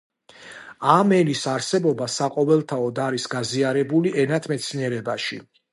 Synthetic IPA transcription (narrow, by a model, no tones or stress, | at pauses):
amɛlisaɾsɛbɔbasaqʼɔvɛlˠt̪ʰaɔd̪aɾisɡaziaɾɛbuliɛnat̪ʰmɛt̪sʰniɛɾɛbaʃi